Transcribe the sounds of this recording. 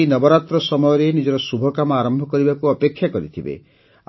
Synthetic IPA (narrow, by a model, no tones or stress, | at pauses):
nɔbɔɾat̪ɾɔsɔmɔjɔɾenid͡ʒɔɾɔsubʱɔkamɔaɾɔmbʱɔkɔɾibakuɔpekʰjakɔɾit̪ʰibḛ